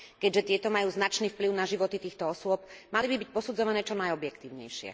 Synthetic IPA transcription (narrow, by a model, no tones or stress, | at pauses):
kɛɟʒɛt̪ɪɛt̪ɔmajuːznat͡ʃniːfpliʊnaʒiʋɔt̪it̪iːxt̪ɔɔsʊɔp̚malibibic̚pɔsud͡zɔʋanɛːt͡ʃɔnajɔbjɛkt̪iːʊɲɛ̰jʃɪɛ̰